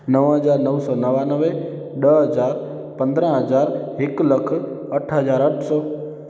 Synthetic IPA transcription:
nəʋɦəzaːɾnəʋsɔːnəʋanəʋe | ɗəɦəzaːɾ | pɐ̃nd̪ɾə̃ɦəzaːɾɦɪkləkʰɐʈʰɦəzaːɾəʈʰsɔː

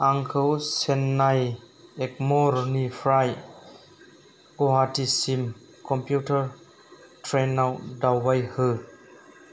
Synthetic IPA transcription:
aŋkʰɯwsenːaj | ek̚mɔɾnipʰɾaj | koɦatisim | kɔmpjutəɾ | tʰɾenːawdawbajhɯ

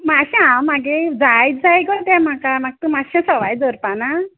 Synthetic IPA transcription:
maɕãamaɡed͡zajd͡zajɡɔt̪ɛ̃m̤akamaɡ̚t̪umaɕɛ̃sɔʋajd͡zɔɾpana

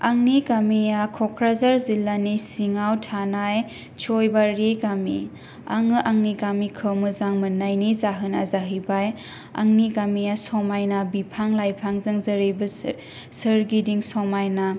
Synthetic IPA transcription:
aŋniɡamijakʰɔkʰɾazaɾzilːanisiŋawtʰanaj | t͡ʃʰɔjbaɾeɡamḭ | a̰ŋɯʔaŋniɡamikʰɯwmɯzaŋmɯnːajnizaɦɯna̰zaɦɯbaj | a̰ŋniɡamijasɔmajnabipʰaŋlajpʰaŋzɯŋzɯɾɯbɯ | sɯɾɡidiŋsɔmajna

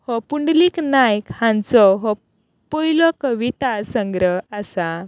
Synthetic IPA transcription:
hɔpuɳɖliknajkhãnt͡sɔɦɔ | pɔilɔkəʋit̪asə̃ŋɡɾəɦasa

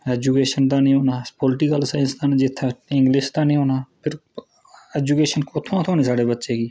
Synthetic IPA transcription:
ɛːd͡ʒukeːʃənt̪aːnĩːɦoːnaːpɔlɪʈikəlsaːnst̪aːnːd͡ʒɪt̪ʰːeɪ̃ŋɡlɪːst̪aːnĩːɦoːnaːpʰɪɾ | ɛːd͡ʒuːkeːʃənkʊt̪ʰːõãːt̪ʰoːneːsaːɖeːbətːʃeːɡiː

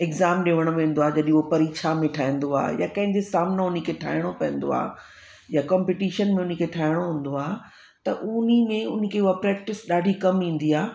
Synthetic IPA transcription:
ɪɡzaːmɗeːʋəɽ̃oʋẽːn̆d̪oaːd͡ʑɐɗĩopɐɾiːkʃʰamẽʈʰaːɦĩn̆d̪oa̰ːjakɐ̃ɦɪ̃ɲd͡ʑesaːmnəʊn̤ikʰeʈʰa̰ːɪɽ̃opɐ̃ɦɪ̃n̆d̪o̰a̰ː | jakɔːmpiʈiːʃənmẽʊn̤ekʰeʈʰaːɪɽ̃oɦũːn̆d̪oaː | t̪ɐʔʊnimẽʊn̤̆kʰeuapɾɛːk̚ʈɪsɗaːɖʱikɐmĩːn̆d̪iaː

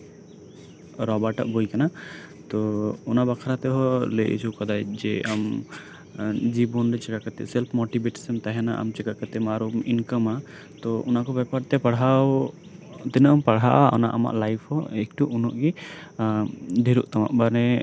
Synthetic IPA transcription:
ɾɔbaʈa̰ʔbojkanat̪ɔɔnabakʰaɾat̪ɛɦɔləʔḭt͡ʃʰuwkad̪ajd͡ʒɛam | d͡ʒibɔnɾɛt͡ʃɛkakat̪ɛ̰sɛlpʰmɔʈibeʈsəmt̪aɦɛnaʔa̰mt͡ʃɛkakat̪ɛmaɾuminkəma | t̪ɔṵnakɔbɛpaɾt̪ɛpaɽɦaw | t̪ɛnəʔɔmpaɽɦaʔaɔ̰na̰ʔama̰ʔlajpʰhɔek̚ʈuʔunɔʔɡi | ɖ̪ʱiɾuʔt̪ama̰ʔbaɾnɛ

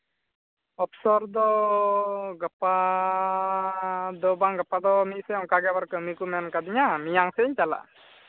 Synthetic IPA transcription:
ɔpʰsɔɾd̪ɔ | ɡəpa | d̪ɔbaŋɡəpad̪ɔmit̪̚sɛɔŋkaɡɛbaɾkəmikumɛnkad̪iɲamijaŋsɛɲt͡ʃala̰

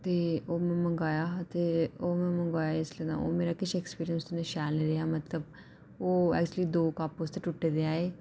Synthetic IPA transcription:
t̪eːoːmɛ̃ːməŋɡaːjaːt̪eːoːmɛ̃ːməŋɡaːjaɪsləna̰ːo̰ːmeːɾaːkɪʃɛkspiːɾijənsd̪ʊnẽːʃɛːlneːɾeaːmət̪ləb̚ | oːɛ̰ːk̚t͡ʃuəliːd̪oːkaːpoːst̪eːʈʊʈːeːd̪eaːeː

